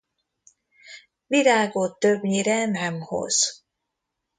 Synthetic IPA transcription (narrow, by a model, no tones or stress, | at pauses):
ʋiɾaːɡo̞t̪ːøbɲiɾɛnɛmho̞̰z̥